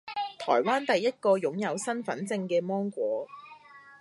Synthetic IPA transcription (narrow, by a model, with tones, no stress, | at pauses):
t̪ʰɔː˨˩jwaː˥nt̪ɐ˨jːɐ˥t̚kɔː˧jʊ˨˥ŋjɐ˨˧wsɐ˥nfɐ̰˨˥nt͡sɪ˧ŋkɛː˧mɔː˥ŋkʷɔː˨˥